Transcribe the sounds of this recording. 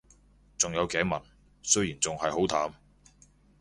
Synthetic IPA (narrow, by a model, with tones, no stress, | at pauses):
t͡sʊ˨ŋjɐ˨˧wkɛː˨˥mɐ˨˩n̚ | sɵ˥ɥjiː˨˩nt͡sʊ˨ŋhɐ˨jho˨˥wt̪ʰaː˨˥m